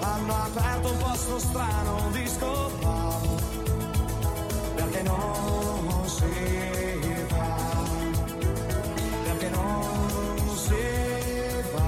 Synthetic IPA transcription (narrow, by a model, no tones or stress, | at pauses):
ãnapɛɾt̪vɔsʊst̪ɾanʊd̪iskopaðʊ | peɾkɛnɐ̃ | se | va | peɾkɛnɐ̃ | se | va